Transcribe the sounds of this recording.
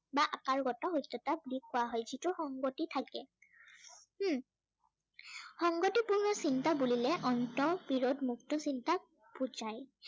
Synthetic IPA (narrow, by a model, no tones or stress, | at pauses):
baʔakaɹɡɔtɔɦojtʰːɔtablikʰːʊwaɦɔjzituxɔŋɡotitʰakɛ | xɔŋɡotipuɹnɔsintabulilɛʔɔntɔpiɹodmuktɔsinta | pud͡ʒaj